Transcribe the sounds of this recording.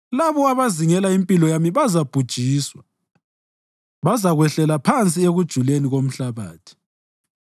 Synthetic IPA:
laβɔaβaziŋɛlaimpʼilɔjamiβazab̥ʱud̥ʒ̥ʱiːswa | βazaɣwɛɬɛlapʰant͡sʼieɣud̥ʒ̥ʱuleniɣom̩ɬaβa̰ːtʰi̥

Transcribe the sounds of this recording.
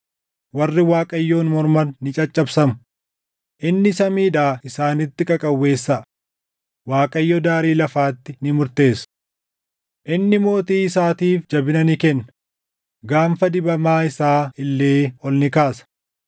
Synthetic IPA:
wɐrːɪwaːkʼɐjːo̞ːnmɔɾmɐnːɪt͡ʃʼɐt͡ʃʼːɐbsɐmʊ̥ | ʔɪnːɪsɐmiːᶑaːɪsaːnɪt̪ːɪkʼɐkʼɐwːe̞ːsːɐ | waːkʼɐjːɔd̪aːɾiːlɐfaːt̪ːɪnɪmʊɾt̪e̞ːs | ʔɪnːɪmo̞ːt̪iːɪsaːt̪iːfd͡ʒɐbɪnɐnɪkɛnːɐ | ɡaːmfɐd̪ɪbɐmaːɪsaːɪlːe̞ːɔlnɪkaːsɐ̥

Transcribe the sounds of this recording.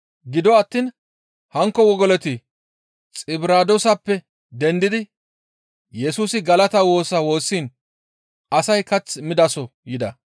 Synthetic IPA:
ɡɪd̪ɔɐt̪ːiːn | hɐŋkːɔwɔɡɔlɛt̪ɪ | t͡sʼɪbɾaːd̪ɔsɐpːɛ | d̪ɛnd̪ɪd̪ɪ | jɛsuːsɪɡɐlɐt̪ɐwo̞ːsɐwo̞ːsːiːn | ɐsɐjkɐt͡sːmɪd̪ɐsɔjɪd̪ɐ

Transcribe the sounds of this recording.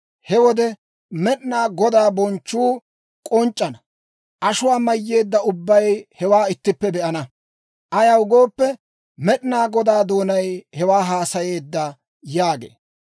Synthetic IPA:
hɛwɔd̪ɛ | mɛɗɪnaːɡɔd̪aːbɔnt͡ʃːuː | kʼɔnt͡ʃʼːɐnɐ | ʔɐʃʊwaːmɐjːe̞ːd̪ːɐʊbːɐjhɛwaːɪt̪ːɪpːɛbɛʔɐnɐ | ʔɐjɐwʊɡo̞ːpːɛ | mɛɗɪnaːɡɔd̪aːd̪o̞ːnɐjhɛwaːɦaːsɐje̞ːd̪ːɐ | jaːɡḛː

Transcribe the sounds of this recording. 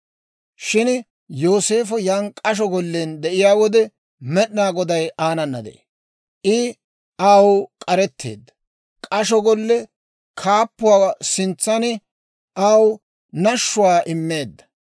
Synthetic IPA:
ʃɪn | joːse̞ːfɔjaːnkʼɐʃ̬ɔɡɔlːend̪ɛʔɪjaːwɔd̪ɛ | mɛɗnaːɡɔd̪ɐjaːnɐnːɐd̪ɛ̰ḛ | ʔɪ | aːwkʼɐɾɛt̪ːḛːd̪ːɐ̥ | kʼɐʃɔɡɔlːɛ | kʰaːpːʊwaːsɪnt͡sːɐnɪ | ʔaw | nɐʃːʊwaːʔɪmːe̞ːd̪ːɐ̥

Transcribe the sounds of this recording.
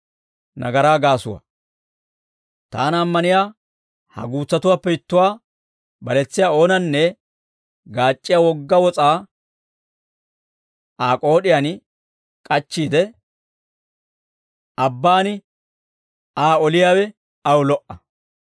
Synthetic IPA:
nɐɡɐɾaːɡaːsʊwa̰ | t̪a̰ːnɐmːɐnɪjaː | hɐ̰ɡuːt͡sːɐt̪ʊwaːpːɛɪt̪ːʊwaː | bɐlɛt͡sːɪjaːo̞ːnɐnːɛ | ɡaːt͡ʃʼːɪjaːwɔɡːɐwɔt͡sʼaː | aːkʼo̞ːɗɪjaːn | kʼɐt͡ʃːiːd̪ɛ | ɐbːaːnɪ | aːɔlɪjaːwɛ | ɐwʊlɔʔɐ

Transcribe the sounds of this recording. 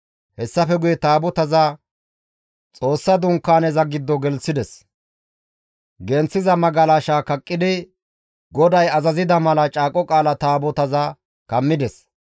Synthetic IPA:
hɛsːɐfɛɡʊjɛt̪aːbɔt̪ɐza | t͡sʼo̞ːsːɐd̪ʊŋkːaːnɛzɐɡɪd̪ːɔɡɛlsɪd̪ɛs | ɡɛnt͡sːɪzɐmɐɡɐlaːʃaːkɐkʼːɪd̪ɪ | ɡɔd̪ɐjɐzɐzɪd̪ɐmɐlɐt͡ʃʼaːkʼɔkʼaːlɐt̪aːbɔt̪ɐzɐ | kɐmːɪd̪ɛs

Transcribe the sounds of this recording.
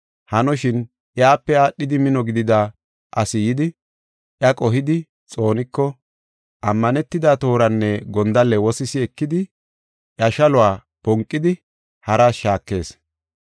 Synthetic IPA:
hɐnɔʃɪn | ʔɪaːpːɛaːɗːɪd̪ɪmɪnɔɡɪd̪ɪd̪a | ʔɐsɪjɪd̪ɪ | ʔjɐkʼɔɦɪd̪ɪ | t͡sʼo̞ːnɪkːɔ | ʔɐmːɐnɛt̪ːɪd̪at̪o̞ːɾɐnːɛɡɔnd̪ɐlːɛwɔsɪsɪɛkːɪd̪ɪ | ʔjɐʃɐlʊwaː | pɔŋkʼːɪd̪ɪ | hɐɾaʃaːkːe̞ːs

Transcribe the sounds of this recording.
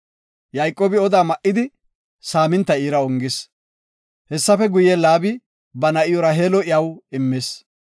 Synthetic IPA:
jɐjkʼːoːbɪɔd̪aːmɐʔːɪd̪ɪ | saːmɪnt̪ːɐiːɾɐɔŋɡɪs | hɛsːɐfɛɡʊjelaːbɪ | bɐnɐʔɪjɔɾɐɦeːlɔʔɪjɐwɪmːɪs

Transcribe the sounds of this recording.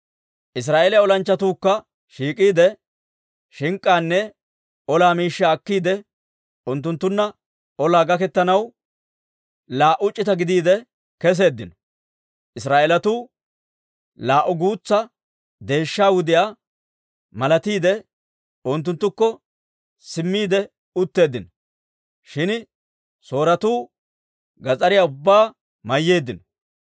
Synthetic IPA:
ʔɪs̬ɾaːʔelɪɔlɐnt͡ʃːɐt̪uːkːɐ | ʃiːkʼiːd̪ɛ | ʃɪŋkʼːaːnːɛ | ɔlaːmiːʃːaːkːiːd̪ɛ | ʊnt̪̬ːʊnt̪ːʊnːɐ | ɔlaːɡɐkɛt̪ːɐnɐw | laːʔʊt͡ʃʼːɪt̪ɐɡɪd̪iːd̪ɛ | kɛs̬e̞ːd̪ːɪnɔ̥ | ʔɪsɾaːʔɛlɐt̪uː | laːʔʊɡuːt͡sːɐ | d̪e̞ːʃːaːwʊd̪ɪjaː | mɐlɐt̪iːd̪ɛ | ʊnt̪ːʊnt̪ːʊkːɔ | sɪmːiːd̪ɛ | ʊt̪ːe̞ːd̪ːɪnɔ | ʃɪn | so̞ːɾɐt̪uː | ɡɐt͡sʼɐɾɪjaʊbːaː | mɐjːe̞ːd̪ːɪnɔ

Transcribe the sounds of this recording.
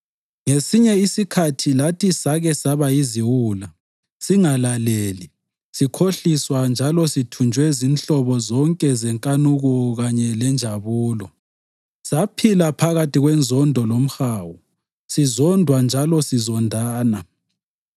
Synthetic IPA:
ŋesiɲɛisikʰatʰilatʰisaɣɛsaβaiziwuːla | siŋalaleli | sikʰoɬiswand͡ʒʱalɔsitʰund͡ʒʱwɛzint͡ɬɔβɔzɔŋkʼɛzɛŋkʼanuɣɔɣaɲɛlɛnd͡ʒʱaβuːlɔ | sapʰilapʰaɣatʰʼiɣwɛnzʱɔndʱɔlom̩xaːwu | sizɔndʱwand͡ʒʱalɔsizɔndʱaːna

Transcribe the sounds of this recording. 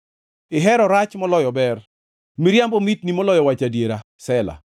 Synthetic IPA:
ɪɦɛɾɔɾat͡ʃmɔlɔjɔbɛr | miɾjambɔmit̪nimɔlɔjɔwat͡ʃadjeɾa | sɛla̰

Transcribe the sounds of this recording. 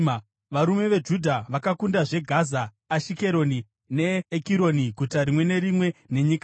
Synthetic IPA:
ʋaɾume̞ʋe̞d͡ʒudʱaʋakakundaʐe̞ɡʱazaː | ʃike̞ɾo̞ni | ne̞ːkiɾo̞niɡʱutaɾimwe̞ne̞ɾimwe̞ne̞ɲik

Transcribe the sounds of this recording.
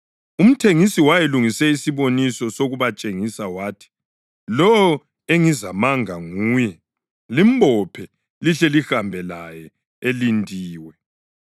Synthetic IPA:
um̩tʰeŋisiwajeluŋisɛisiβonisɔsoɣuβat͡ʃʼeŋisawaːtʰi̥ | lɔɔ | eŋizamaŋaŋuːjɛ | limbʱɔpʰɛ | liɬɛlihambʱɛlajɛ | elindʱiːwɛ

